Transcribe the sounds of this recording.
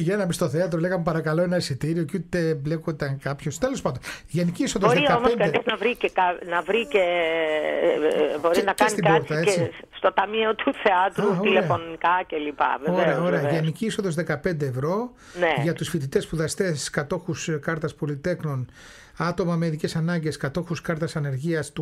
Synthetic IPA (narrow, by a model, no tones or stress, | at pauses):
ʝenɐmist̪o̞θeɐt̪ɾoleɣɐmepɐɾɐkɐlo̞enɐesit̪iɾio̞cut̪eblekot̪ɐŋkɐpço̞st̪elo̞s̬pɐnd̪onʝeniciiso̞ðozðiɐomonskɐeniznɐvɾicekɐnɐvɾice | bo̞ɾiinɐkensit̪ibkbɾt͡st̪ɐei | st̪o̞t̪ɐmiot̪uθeɐt̪ɾuileɐfonnikɐcelipɐ̰veoeɾeɐoɾeɐʝeniciiso̞ðo̞zðekɐpe̞nd̪eːvɾo̞ | neʝɐt̪usfit̪it̪espuðɐst̪eskɐt̪o̞xuskɐɾt̪ɐspo̞lit̪e̞kno̞n | ɐt̪o̞mɐmeiðicesɐnɐɲɟe̞skɐt̪o̞xuskɐɾt̪ɐsɐne̞ɾʝiɐst̪u